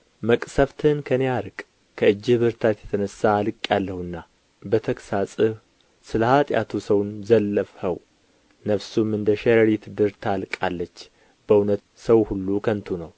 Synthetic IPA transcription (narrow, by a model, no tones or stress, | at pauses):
məkʼsəft̪ʰɨnkʰəneaɾɨkʼ | kʰəɨd͡ʒːɪhbɨɾt̪ʰat̪jɛt̪ʰənəsaːlɨkʼjalːəhɨnːa | bət̪ʰəksasʼɨβ | sɨləhat̪ʼja̰t̪ʰusəwnzəlːəfhəw | nəfsumɨnd̪əʃɛɾəɾit̪d̪ɨɾt̪ʰalkʼalːət͡ʃː | bəunət̪ | səwhulːukʰənt̪ʰunəw